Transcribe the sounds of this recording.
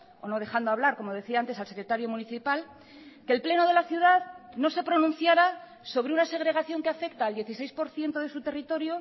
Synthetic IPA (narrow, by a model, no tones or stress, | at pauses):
o̞no̞ð̞e̞xand̪oaβ̞laɾko̞mo̞ðe̞θiaant̪esalse̞kɾet̪aɾjo̞mũniθipal | kelple̞no̞ð̞e̞laθjuðaðno̞se̞pɾo̞nũn̟θjaɾa | so̞β̞ɾeunase̞ɣ̞ɾe̞ɣ̞aθjo̞ŋkeafe̞k̚t̪aːld̪je̞θise̞jspo̞ɾθje̞nt̪oðe̞sut̪e̞rit̪o̞ɾjo